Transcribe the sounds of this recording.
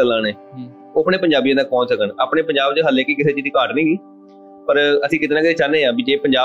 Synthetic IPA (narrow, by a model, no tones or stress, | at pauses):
əlaːnẽː | oːəpneːpəɲd͡ʒaːbiẽːnãːpɔ̃ːnsəkənaːpɳeːpəɲd͡ʒaːbt͡ʃɦəlẽːkiːkɪseːt͡ʃid̪iːkaːʈnĩːɡiː | pəɾəsĩːkɪt̪eːnãːkɪt̪eːt͡ʃanẽːãːbiːd͡ʒeːpəɲd͡ʒaː